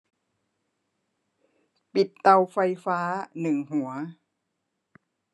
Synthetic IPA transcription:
pi˨˩t̪ːa˧wfa˧jfaː˦˥nɯ˨˩ŋhu˨˩˦ɐ

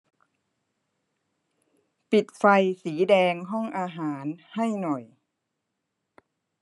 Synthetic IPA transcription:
pi˨˩t̪̚fa˧jsiː˩˦dɛː˧ŋɦɔ˥˩ŋʔaː˧ɦaː˩˦nha˥˩jnɔ˨˩j

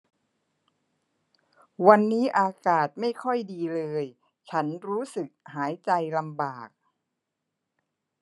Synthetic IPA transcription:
wa˧nːiː˦˥ʔaː˧kaː˨˩t̪̚ma˥˩jkʰɔ˥˩jdiː˧lɤː˧j | t͡ɕʰa˦˥nɾuː˦˥sɯ˨˩k̚haː˩˦jt͡ɕa˧jla˧mbaː˨˩k̚

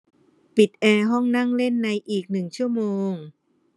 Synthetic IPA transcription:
pi˨˩t̪̚ʔɛː˧ɦɔ˥˩ŋna˥˩ŋle˥˩nːa˧jʔiː˨˩k̚nɯ˨˩ŋt͡ɕʰu˥˩əmoː˧ŋ

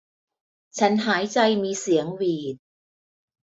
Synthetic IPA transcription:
t͡ɕʰa˦˥nɦaː˩˦jt͡ɕa˧jmiː˧si˩˦əŋwiː˨˩t̪̚

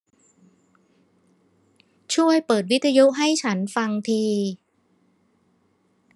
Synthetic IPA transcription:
t͡ɕʰu˥˩əjpɤː˨˩t̪̚wi˦˥t̪ʰːa˧ju˦˥ʔɦa˥˩jt͡ɕʰa˦˥nfa˧ŋt̪ʰiː˧

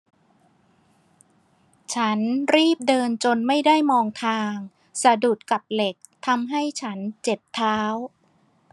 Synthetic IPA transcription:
t͡ɕʰa˦˥nɾiː˥˩p̚dɤː˧nt͡ɕo˧nma˥˩jda˥˩jmɔː˧ŋt̪ʰaː˧ŋ | sa˧du˨˩t̪̚ka˨˩p̚le˨˩k̚t̪ʰa˧mɦa˥˩jt͡ɕʰa˦˥nt͡ɕe˨˩p̚t̪ʰaː˦˥w

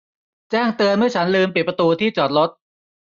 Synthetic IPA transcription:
t͡ɕɛː˥˩ŋt̪ɯ˧ənmɯ˥˩ɐt͡ɕʰa˦˥nlɯː˧mp̬i˨˩pɾa˧t̪uː˧t̪ʰiː˥˩t͡ɕɔː˨˩t̪̚lo˦˥t̪̚

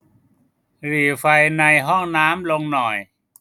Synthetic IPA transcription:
ɾiː˨˩fa˧jna˧jɦɔ˥˩ŋnaː˦˥mlo˧ŋnɔ˨˩j

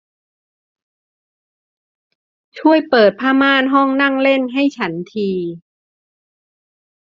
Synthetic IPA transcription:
t͡ɕʰu˥˩əjpɤː˨˩t̪̚pʰaː˧˥maː˧˥˨nɦɔ˥˩ŋna˥˩ŋle˥˩nɦa˥˩jt͡ɕʰa˦˥nt̪ʰiː˧

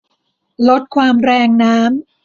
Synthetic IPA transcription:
lo˦˥t̪̚kʰwaː˧mɾɛː˧ŋnaː˦˥m

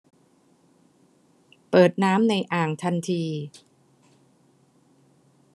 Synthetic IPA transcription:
pɤː˨˩t̪̚naː˦˥mna˧jʔaː˨˩ŋt̪ʰa˧nt̪ʰiː˧

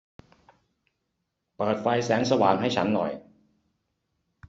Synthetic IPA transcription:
pɤː˨˩t̪̚fa˧jsɛː˩˦ŋsa˧waː˨˩˦ŋɦa˥˩jt͡ɕʰa˦˥nːɔ̰˨˩j

